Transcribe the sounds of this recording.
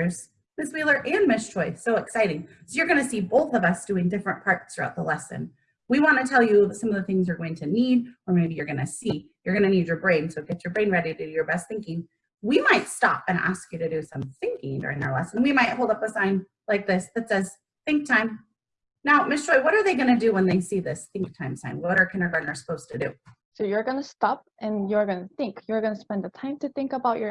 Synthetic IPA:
z̥ | mɪswilˠə˞ʔɨ̃nmɪstt͡ʃʰɹ̥ɔɪsoʊɨksaɪɾɪ̃ŋ | soʊjə˞ɡʌñɨsiboʊθʌvʌsd̥ʉɪ̃ŋdɪfɹɨ̃npʰɑɹt̚θɹʉaʊt̪̚ðəlɛsɨ̰̃n | wiwɑ̃nɨtʰɛlˠjɨsʌ̃mʌvðɨθɪ̃ŋzə˞ɡoʊɪ̃ŋtʰɨniɾə˞meɪbijə˞ɡʌnɨsijə˞ɡʌñɨnid͡ʒə˞bɹẽɪ̃nsoʊɡ̥ɛt͡ʃjə˞bɹẽɪ̃nɹɛɾiɾɨɨjə˞bɛst̪̚θɪ̃ŋkɪ̃ŋ | wimaɪtstɑ̰pɨ̃næ̰skjɨɾɨɾɨsʌ̰̃mθɪ̃ŋkɪ̰̃ŋdʊ̰ɹɪ̃ŋə̰ʊ˞lɛsə̃nwimaɪt̚hoʊlˠdʌpəsãɪ̃n | laɪk̚ðɪsðɨtsɛz̥ | θɪ̃ŋk̚tʰãɪ̃m | naʊmɪst͡ʃɹ̥ɔɪwʌɾə˞ðeɪɡʌñɨdɨwə̃nðeɪsiðɪsθɪ̃ŋk̚tʰãɪ̃msʰãɪ̃mwʌɾə˞kʰɪ̃nə˞ɡʌnə˞sə̥poʊz̥tʰɨdʉ̰ | soʊjə˞ɡʌnəstɑp̚ʔɨ̃njɨə˞ɡʌnɨθɪ̃ŋkʰjɨ˞ɡʌnəspɛ̃nd̪ðətʰãɪ̃mtʰɨθɪ̃ŋkəbaʊt͡ʃə˞

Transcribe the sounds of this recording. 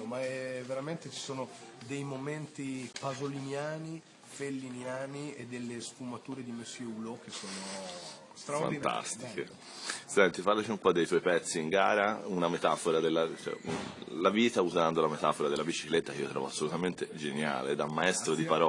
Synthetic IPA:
omaɛveɾament̪et͡ʃi̥soːnod̪ejmoment̪ipazolinjaːni | felːinjaːnied̪ːelːesfumat̪uːɾed̪imesjeulokːesoːno | st̪ɾafa̰nit̪ʰa̰st̪ike | sɛnt̪ifaɾlat͡ʃiumpɔd̪ːejt̪wɔjpɛt̪sːiːŋɡaːɾaunamet̪afoɾad̪elːat͡ʃɛ̰ṵlaviːt̪auzand̪olamet̪afoɾad̪elːabit͡ʃiklet̪ːakeiːo̰t̪ɾɔ̰voasːolut̪ament̪ed͡ʒenja̰ːlḛd̪amːaɛst̪ɾod̪ipaɾɔ

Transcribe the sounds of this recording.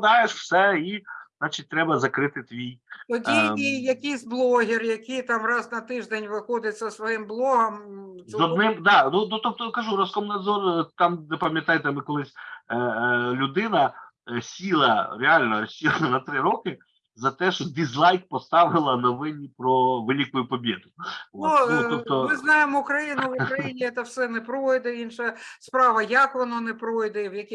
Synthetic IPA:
d̪ɑjeʃw̥sɛiznɑt͡ʃit̚ʲt̪ɾɛbɐzɐkɾɪt̪ɪt̪ʋʲijt̪ɔdʲijɐkʲijsʲblˠɔɦʲɪrjɐkʲijt̪ɑmrɑznɐt̪ɪʒd̪enʲʋɪxɔd̪ʲɪt͡sʲːɐsʋɔjɪmblˠɔɦɐmzɔd̪nɪmd̪ɑnunut̪ɔp̚t̪ɔkɐʒuɾɐskɔmnɐd̪zɔrt̪ɑmnepɐmʲjɐt̪ɑjɪt̪ɛmɪkɔlˠɪsʲ | lʲʊd̪ɪnɐ | sʲilˠɐɾʲealʲnɔsʲilˠɐnɐt̪ɾɪɾɔkɪ | zɐt̪ɛʃɔd̪ʲizlˠɑjk̚pɔst̪ɑʋɪlˠɐnɐʋɪnʲipɾɔʋɪlʲikʊjʊpɔbʲed̪ʊunut̪ɔp̚t̪ɔmɪznɑjemʊkɾɐjinʊʋʊɾɐjinʲiɛt̪ɐwsɛnɛpɾɔjd̪ɛinʃɐspɾɑʋɐjɐkʋɔnɔnɛpɾɔjd̪ɛwjɐkʲi

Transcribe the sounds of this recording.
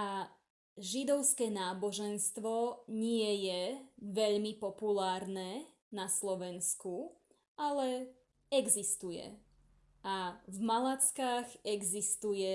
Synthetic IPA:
a | ʒid̪ɔʊskɛːnaːbɔʒɛnst̪ʋɔɲɪɛjɛʋɛʎmipɔpulaːɾnɛː | naslɔʋɛnsku | ʔalɛ | ɛɡzist̪ujɛ̰ | avmalat͡skaːɣɛɡzist̪ujɛ

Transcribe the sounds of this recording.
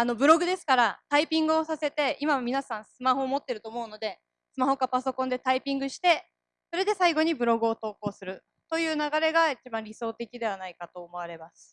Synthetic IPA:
ano̞bɯ̟ɾo̞ɡɯ̟d̪e̞sɨ̥kaɾat̪aipʲĩŋɡɯ̟o̞sase̞t̪e̞imamʲinasãɰ̃sɨmaho̞ːmo̞t̪ːe̞ɾɯ̟t̪o̞ːmo̞ɯ̟no̞d̪e̞ | sɨmaho̞kapaso̞kõnd̪e̞t̪aipʲĩŋɡɯ̟ɕi̥t̪e̞ | so̞ɾe̞d̪e̞saiɡo̞ɲ̟ibɯ̟ɾo̞ɡɯ̟o̞t̪o̞ːko̞ːsɨɾɯ̟ | t̪o̞jɯ̟ːnaɡaɾe̞ɡait͡ɕibãɾʲiso̞ːt̪e̞kʲid̪e̞β̞anaikat̪o̞ːmo̞βaɾe̞masɨ̥

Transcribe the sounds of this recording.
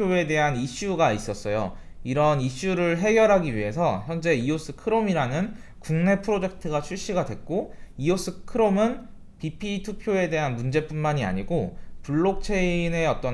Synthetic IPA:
oe̞de̞ɦaniɕ͈uɡais͈ʌs͈ʌjo̰ | iɾʌniɕ͈uɾɯɭɦe̞ɡjʌɾɦaɡiɥiɦe̞sʰʌçjʌnd͡ʑe̞ios͈ʰɯkʰɯɾomiɾanɯn | kuŋne̞pʰɯɾod͡ʑe̞k̚tʰɯɡat͡ɕʰuɭɕ͈iɡadwe̞k̚k͈oios͈ʰɯkʰɯɾomɯn | pipʰitʰupʰjoe̞de̞ɦanmund͡ʑe̞p͈unmaɲia̰ɲiɡopuɭːok̚t͡ɕʰe̞ine̞ʌt͈ʌ

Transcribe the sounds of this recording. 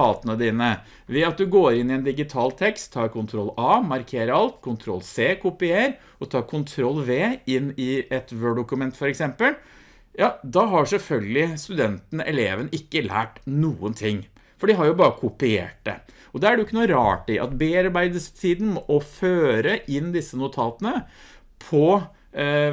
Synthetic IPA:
ɑːt̪ənəd̪iːnə | ʋɛɑt̪̚d̪ʉɡoːɾɪnːɪɛnd̪ɪɡɪt̪ʰɑːlt̪ʰɛkst̪ʰːɑːɾkʰʊnt̪ʰɾɔlːɑːmɑɾkʰeːɾəɾɑlt̪kʰʊnt̪ʰɾɔ̰lːseːkʰʊpɪeːɾ | ɔt̪ʰɑːɾkʰʊnt̪ʰɾɔlːʋeːɪnːɪɛt̪ʋøːɖʊkʉmɛnt̪fɔɾɛksɛmpəl | jɑːd̪ɑɦɑʂɛlfœlɡəlɪst̪ʉd̪ɛnt̪n̩ɛleːʋənɪkːəlæ̰ːʈnuːənt̪ʰɪŋː | fɔɖɪɦɑɾjʊbɑːɾəkʰʊpɪḛːʈ̚d̪ɛ̰ | ɔd̪ɛæɖɛjʊɪkːənuːɾɑ̰ːʈɪʔɑ̰t̪beːɑɾbæɪd̪əst̪ʰiːd̪n̩mɔʔɔføːɾəʔɪnːd̪ɪsːənʊt̪ʰɑːt̪ənə | pʰɔ

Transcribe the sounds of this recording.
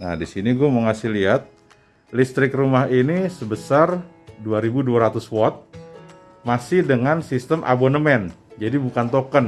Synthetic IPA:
na̰disiniɡuaməŋasiliat̪̚ | list̪ɾɪkrumaɦinisəbəsar | duaɾibuduaɾat̪ʊswɔt̪̚ | masɪhdəŋansist̪əmʔa̰bonəmɛnd͡ʒadibukant̪okən

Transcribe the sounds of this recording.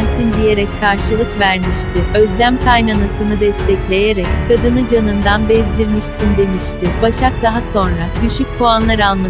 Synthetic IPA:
nsind̪ije̞ɾɛckʰːaɾʃɯlˠɯkvæɾmiʃt̪ʰɪø̞zlʲæmkʰajnanasɯnɯd̪ɛst̪ʰɛclʲe̞je̞ɾɛckʰad̪ɯnɯd͡ʒanɯnd̪anbɛzd̪ʲiɾmiʃsind̪e̞miʃt̪ʰɪbaʃak̚d̪aɦaso̞nɾaɟyʃyc̚pʰuanlˠaɾalˠma

